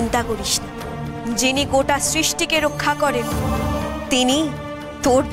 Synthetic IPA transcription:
nt̪akoɾiʃʰn | d͡ʑiniɡoʈasɾiʃʈikeɾokʰːakɔɾen | t̪ini | t̪oɾbʱ

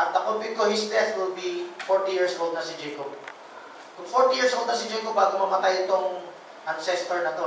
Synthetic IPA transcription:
ʔɐt̪̚ːɐkopɪkohɪsd̪ɛtwɪlbifoɹt̪ijiɹsʔolˠd̪̚nɐsɪd͡ʒɛjkob̚ | kʊŋfoɹt̪ijiɹsʔold̪̚nɐsɪd͡ʒɛjkobaːɡomɐmɐt̪ajɪt̪oŋ | ʔansɛst̪ɛɹnɐt̪o

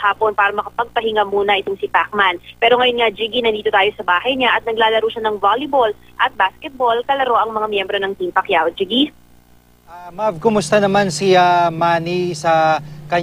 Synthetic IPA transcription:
haːpo̞npaːɾɐmɐkɐpɐɡ̚pɐɦɪŋamuːnɐʔɪt̪o̞ŋsɪpak̚manpɛːɾo̞ŋɐjonŋad͡ʒiɡinɐnd̪iːt̪o̞t̪aːjo̞sɐbaːhɐjɲaʔɐt̪̚nɐɡ̚laːlɐɾuːʃanɐŋvalɪbol | ʔɐt̪̚baskɛt̪̚bo̞lkɐlɐɾo̞ʔɐŋmɐŋamjɛmbɾo̞nɐŋt̪impɐkjawd͡ʒiɡi | amavkʊmʊst̪anɐmansiamaːnisɐkɐ

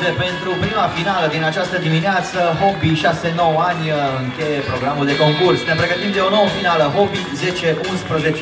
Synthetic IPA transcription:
t̪epe̞nt̪ɾupɾimafinaləd̪inat͡ʃast̪əd̪imineat̪səɦo̞biʃase̞no̞wanʲɨŋkʲe̞je̞pɾo̞ɡɾamuld̪e̞ko̞ŋkursnepɾe̞ɡət̪imd̪e̞o̞no̞wəfinaləɦo̞bize̞t͡ʃe̞ʔunspɾəze̞t͡ʃ

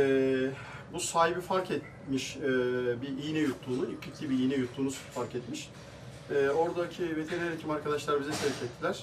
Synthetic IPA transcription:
ɛː | busaːɦibifaɾkɛt̪̚ | miʃɛbiijnɛjut̪ʰlˠuːnuilʰiclʲibiijnɛjut̪ʰlˠuːnufaɾkɛt̪miʃ | ɛːo̞ɾd̪acʰivet̪ʰeɾeɾecʰimaɾkʰad̪aʃlˠaɾbizɛsʰɛɾcʰɛt̪ʰːilʲæɾ̥

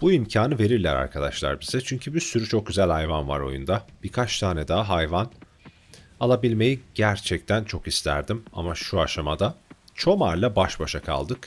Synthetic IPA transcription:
b̥uimcʰaːnɯve̞ɾiɾlʲæɾa̰ɾkʰad̪a̰ʃlˠa̰ɾbizɛt͡ʃʰyɲcʰybiɾsyɾyt͡ʃʰo̞k̚ɟyzælʲhajvanva̰ɾo̞̰jṵnd̪ab̥iɾkʰat͡ʃt̪ʰaːnɛd̪aɦajvan | alˠabilʲme̞jiɟæɾt͡ʃʰɛc̚t̪ʰænt͡ʃʰo̞kist̪ʰæ̰ɾd̪ima̰maʃuaʃamad̪at͡ʃʰo̞maɾlˠabaʃbaʃakʰa̰lˠd̪ɯk

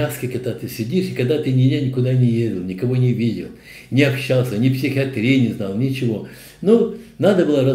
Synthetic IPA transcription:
askʲəkɐɡ̚d̪at̪ɨsʲɪdʲiʂɪkɐɡd̪at̪ɨnʲɪnʲanʲɪkʊd̪anʲɪjedʲɪlˠnʲɪkɐvonʲɪvʲidʲɪ̰lˠ | nʲɪɐpɕalˠsʲənʲɪpsʲɪxʲɪɐt̪ɾʲenʲɪznalˠnʲɪt͡ɕɪʋo̞ | nonad̪əbɨlˠəɾɐ

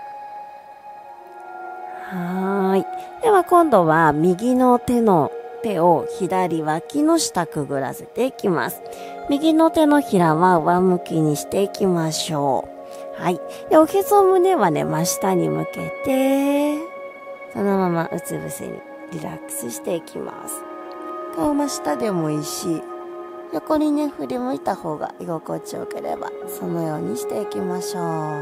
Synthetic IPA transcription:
haid̪̥eβakõ̞nd̪o̞βamʲiɡʲino̞t̪e̞no̞t̪e̞o̞çid̪aɾʲiβakʲino̞ɕi̥t̪akɯ̟ɡɯ̟ɾa̰se̞t̪e̞ikʲima̰sɨ̥ | mʲiɡʲino̞t̪e̞no̞çiɾaβaoβamɯ̟kʲiɲ̟iɕi̥t̪e̞ikʲimaɕo̞ː | hai | jokʲezomɯ̟ne̞βane̞̰maɕi̥t̪aɲ̟imɯ̟ke̞t̪e̞ | sono̞mama̰ʔɯ̟̰t͡sɨbɯ̟sḛɲ̟ḭ | ɾʲiɾa̰kɯ̥sɨɕi̥t̪e̞ikʲima̰sɨ̥ | t̪omaɕi̥t̪ad̪e̞mo̞iɕi | jo̞ko̞ɲ̟ʲineɸɯ̟ɾʲimɯ̟it̪aho̞ːɡa̰ʔiɡo̞ko̞t͡ɕio̰ke̞̰ɾe̞̰ba̰so̞no̞jo̞ːɲ̟iɕi̥t̪e̞ikʲimaɕo̞ː

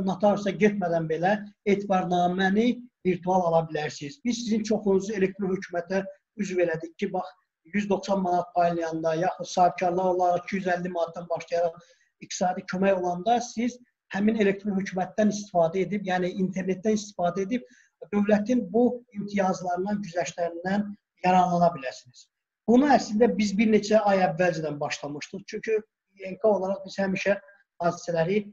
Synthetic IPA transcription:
nɑt̪ʰɑɾosɑɟet̪mæd̪ænbe̞læe̞ːt̪ʰibɑɾnɑːmæniviɾt̪ʰuɑlˠɑlˠɑbilæɾsiz̥biz̥sizint͡ʃʰo̞χunuzue̞le̞k̚t̪ɾohøcʰumæt̪ʰæ | yzve̞ɾæd̪ic̚cʰːibɑχ | jyzd̪o̞χsɑnmɑnɑt̪̚pʰɑjlˠɯjɑnd̪ɑjɑːxud̪̥sɑːhib̚cʰɑɾlˠɑɾolˠɑɾit͡ʃʰijyzælːimɑnɑt̪̚d̪ɑnbɑʃlˠɑjɑɾɑχ | ik̚t̪ʰi̥sɑːd̪icʰømæjo̞lˠɑnd̪ɑsiz̥ | hæmine̞lekt̪ɾonhøcʰuːmæt̪̚d̪ænist̪ifɑːd̪æe̞d̪ibjæːniint̪ʰe̞ɾne̞t̪ːænist̪i̥fɑːd̪æe̞d̪ib̥̚ | d̪ø̞vlæt̪ʰinbuimt̪ʰijɑzlˠɑɾɯnɑnɟyzæʃlæɾind̪æn | jɑɾɑnlˠɑnɑbilæɾsiniz̥ | b̥unuæslind̪æbizbiɾne̞t͡ʃʰæɑjævːæld͡ʒɛd̪ænbɑʃlˠɑmɯʃt̪ɯzt͡ʃʰyɲcʰy | eŋkʰɑo̞lˠɑɾɑχbiz̥hæmiʃæ | hɑːd̪i̥sælæɾi

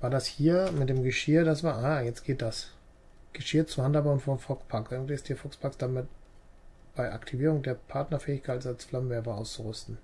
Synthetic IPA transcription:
v̥aːɐdashiːɐmɪt̚d̥eːmɡəʃɪːɐdasvaːʔaːjɛt͡stɡ̥eːt̚d̥as | ɡ̥əʃɪːɐt͡sʊmhantabaʊnfɔɐnfɔkspʰakʔɛɡŋviɪstiːɐfɔkspʰaksd̥amɪt̚ | b̥aɪʔa̰ktʰiviːʁ̞ʊŋdeːɐpʰaɐtnɐfɛːɪçkʰaɪtsalsflamvɛɐbəʔa̰ʊst͡suʁʏstn̩

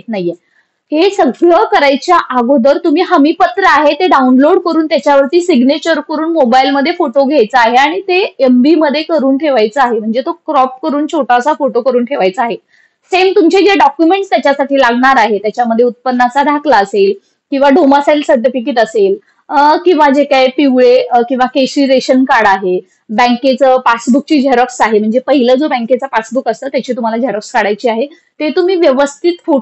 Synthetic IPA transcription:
t̪̚naje | hesəɡɾɭəkəɾajt͡ɕjaʔaɡʱod̪əɾt̪um̤iːɦəmipət̪ɾəaɦet̪eɖaunloɽkəɾuːnt̪jat͡ɕjaʋəɾt̪iːsiɡnet͡ɕəɾkəɾuːnmobailməd̪ʱːjefoʈoɡʱajt͡səaɦeaɽ̃it̪eembiməd̪ʱːjekəɾuːnʈʰeʋajt͡səaɦem̤əɳd͡zet̪okɾɔfkəɾuːnt͡ɕʰoʈasafoʈokəɾuːnʈʰeʋajt͡səaɦe | semt̪umt͡ɕed͡ʑeɖɔkjumeɳʈst̪jat͡ɕjasaʈiːlaɡɳaɾaɦet̪jat͡ɕjaməd̪ʱːjeut̪̚pənːat͡sad̪ʱakʰlaəsel | kĩw̃ʋaɖomasalsəd̪ʱəʈik̬it̪əsel | kĩw̃ʋad͡ʑekajpiwɭekĩw̃ʋakesɾiɾeɕənkaɽaɦe | bɛ̃ŋket͡səːpasbuk̚t͡ɕiːd͡ʑeɾɔksaɦem̤əɳd͡zepəɦiləd͡zobɛ̃ŋket͡sapasbukəst̪əːt̪jat͡ɕiːt̪um̤alad͡ʑeɾɔkskaɽajt͡ɕiːaɦe | t̪et̪um̤iːʋjəʋəst̪ʰit̪fo

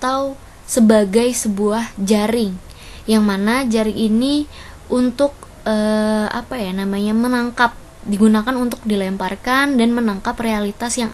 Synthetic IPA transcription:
at̪aw | səbaɡajsəbuahd͡ʒaɾɪŋ | jaŋmanad͡ʒaɾɪŋini | ʔunt̪ʊk̚ | əa̰pajanamaɲamənaŋkap̚ | diɡunakanunt̪ʊk̚dilɛmparkandanmənaŋkaprealit̪asjaŋ

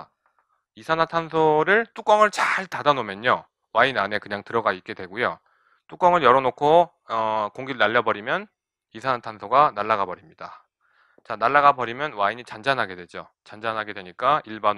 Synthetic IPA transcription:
isʰanatʰansʰoɾɯɭt͈uk͈ʌŋɯɭt͡ɕaɭtadanomjʌɲo | wainane̞kɯɲaŋtɯɾʌɡait̚k͈e̞dwe̞ɡujo | t͈uk͈ʌŋɯɭjʌɾʌnokʰo | ʌkoŋɡiɾɯnaʎːʌbʌɾimjʌn | isʰanatʰansʰoɡanaɭːaɣabʌɾimɲida | t͡ɕanaɭːaɡabʌɾimjʌnwaiɲit͡ɕand͡ʑanɦaɡe̞dwe̞d͡ʑo | t͡ɕand͡ʑanɦaɡe̞dwe̞ɲik͈aiɭban

